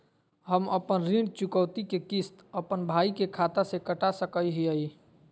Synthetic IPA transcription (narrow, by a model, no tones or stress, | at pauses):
ɦəməpənɾĩɳt͡ʃʊkəːt̪ikekist̪əpənbʱaːikekʰaːt̪asekəʈasəkəiɦiəi